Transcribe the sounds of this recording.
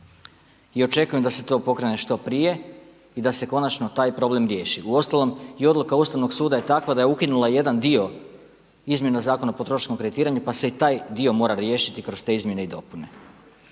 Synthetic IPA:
io̞t͡ʃe̞kuje̞md̪ase̞t̪o̞ːpo̞kɾe̞ne̞ʃt̪o̞pɾije̞ | id̪ase̞ko̞nat͡ʃno̞t̪aːjpɾo̞blemɾje̞ːʃiuo̞st̪alo̞mio̞d̪lukaust̪aʋno̞ɡsuːd̪aje̞t̪akʋad̪aje̞ukinulˠaje̞d̪and̪io̞ | izmje̞nazaːkonapo̞t̪ɾo̞ʃnomkɾeit̪iːɾaɲupaseit̪aːjd̪io̞mo̞ːɾaɾjeːʃit̪ikɾo̞st̪e̞izmje̞neid̪o̞pune̞

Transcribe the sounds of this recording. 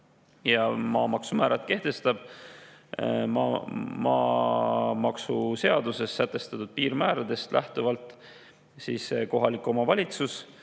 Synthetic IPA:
jɑmɑːmɑksumæːɾʔɑt̪ke̞ht̪e̞st̪ɑb̥̚ | mɑ̰mɑ̰ː | mɑksuse̞ɑd̪use̞sːæt̪ːˑe̞st̪ɑt̪ud̪̥̚piːɾmæːɾɑd̪e̞st̪lʔæht̪uvɑlt̪ˑ | sisko̞ɦɑlikːˑo̞mɑvɑlʲit̪sus

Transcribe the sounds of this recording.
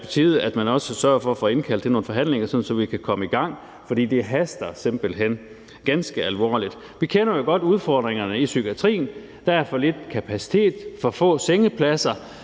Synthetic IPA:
pʰɒ̽t͡sʰḭːð̞̩ˠæd̥mænɒ̽səsɶɐfɒ̽ɒfɔe̝nkʰæld̥eno̝ːn̩fɒ̽ɦæn̰le̝ŋɐsɒ̽dn̩sɒ̽ʋikʰækʰɒ̽məiɡ̥ɑ̈ŋ̰ | fɒ̽d̥ḭːd̥e̝ɦæsd̥ɐse̝mb̥əl̩ɦen̰ | ɡ̥ænsɡ̥əælʋɒ̰ːlid̥ | ʋikʰenɐjo̝ɡ̥ɒ̽d̥uð̞ˠfɒ̰ːd̥ʁeŋɐnəisyɡ̥iæt͡sʰʁḭːn̩ | d̥æɐfɒ̽le̝d̥kʰæpʰæsi̥t͡sʰe̝̰ːd̥fɒ̽fɔ̰̽ːseŋəpʰlæsɐ

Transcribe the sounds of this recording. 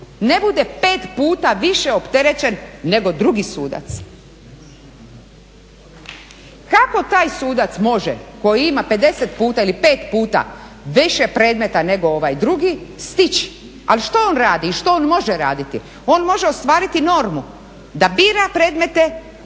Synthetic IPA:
ne̞bud̪epe̞ːt̪puːt̪aʋiʃeopt̪eɾet͡ɕenːe̞ɡo̞d̪ɾuɡisuːd̪a̰t̪s | kako̞t̪aːjsuːd̪at̪smo̞ʒḛko̞jiimape̞d̪e̞set̪puːt̪ailipe̞ːt̪puːt̪a̰ | ʋiʃepɾe̞ːd̪me̞t̪ane̞ɡo̞oʋajd̪ɾuɡist̪it͡ɕi̥ | a̰liʃt̪ooːnɾaːd̪iːʃt̪ooːnmo̞ʒeɾa̰ːd̪it̪i | o̞nmo̞ʒeost̪ʋaːɾit̪ino̞ɾmu | d̪abiːɾapɾe̞ːd̪me̞t̪e̞

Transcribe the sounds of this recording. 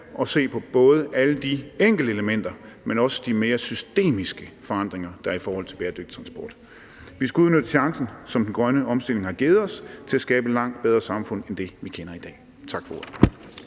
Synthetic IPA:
ʔɒ̽se̝̰ːpʰɒ̽b̥ɔ̽ːð̞ˠəʔæləd̥ieŋ̰ɡ̥ldəeləmen̰d̥ɐmenɒ̽sə̥d̥ime̝ːɐsysd̥e̝̰ːmisɡ̥əfɒ̽ɑ̈n̰d̥ʁeŋɐd̥ɑ̈æɐifɒːhɒ̽l̰t͡sʰe̝beːɐd̥øɡ̥d̥i̥t͡sʰʁɑ̈nsb̥ɒːd̥ | ʋisɡ̥uuð̩ˠnød̥əɕɑ̈ŋsn̩sɒ̽md̥en̩ɡ̥ʁɶnəʔɒ̽msd̥e̝l̰e̝ŋhɑ̈ɡ̥eːð̞̩ˠɒ̽st͡sʰe̝læsɡ̥ɛːb̥əlɑ̈ŋ̰d̥̚b̥eð̞ˠʁɐsɑ̈mfɔ̽n̰end̥e̝ʋikʰenɐid̥ɛ̰ː | t͡sʰɑ̈ɡ̥fɒ̽o̝ɐðˠ

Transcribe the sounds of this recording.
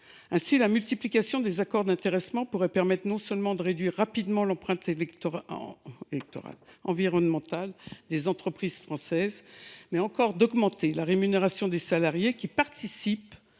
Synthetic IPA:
ɛ̃silamylt̪iplikasjɔ̃d̪ezakɔʁd̪ɛ̃t̪eʁɛsmɑ̃puʁɛpɛʁmɛt̪χnɔ̃sœlmɑ̃d̪əʁed̪ɥiʁːapid̪mɑ̃lɑ̃pχɛ̃t̪elɛt̪ | elɛk̚t̪ɔ̰ʁa̰lɑ̃viʁɔnmɑ̃t̪ald̪ezɑ̃t̪χəpχiz̥fχɑ̃sɛzmɛɑ̃kɔʁd̪ɔɡmɑ̃t̪elaʁemyneʁasjɔ̃d̪esalaʁjekʲipaʁt̪isip

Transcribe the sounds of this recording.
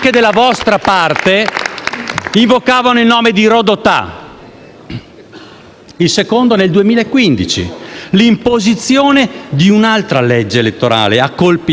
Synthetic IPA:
ked̪elːavɔst̪ɾapart̪e | iɱvokaːvanoilnoːmed̪iɾod̪ot̪a̰ | ilsekond̪oneld̪uemiːlaekːwind̪it͡ʃḭlimpozit̪sːjoːned̪iunalt̪ɾaled͡ʒːeːlet̪ːoɾa̰ːleakːolpi

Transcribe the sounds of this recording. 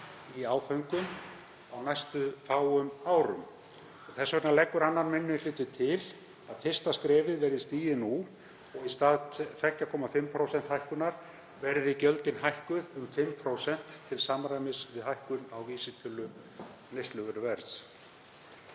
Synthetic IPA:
iaːwfœŋkʏm | awnajst̪ʏfaːwʏmaːwɾʏ̰m | ɔɣθɛsavɛɾnalɛkːʏɾanːanmɪnːɪlɪːt̪ɪt̪ʰɪl | aðfɪst̪askɾɛːvɪðvɛɾðɪst̪iːjɪnu | ɔɣist̪aːðt̪ɛcːakʰɔːmafɪmpʰɾowsɛnt̪hajhkʏnaɾ̥ | vɛɾðɪicœlt̪ɪnɦajhkʏðʏmfɪmːpʰɾoːwsɛn̥t̪ʰːɪlsaːmɾajmɪsvɪðɦajhkʏnawviːsɪt̪ʰʏlːʏ | nest̪lʏɣʏɾʏvɛɾs

